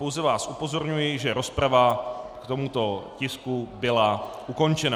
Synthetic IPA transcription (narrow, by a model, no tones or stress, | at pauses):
powzɛvaːsʔupo̞zo̞ɾɲujɪʒɛɾo̞spɾavakt̪o̞mut̪o̞cɪskubɪlaʔuko̞nt͡ʃɛna